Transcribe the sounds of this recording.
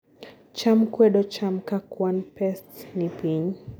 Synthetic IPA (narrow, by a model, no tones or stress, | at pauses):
t͡ʃam̩kwɛɗɔt͡ʃam̩kakwanpɛstnipiɲ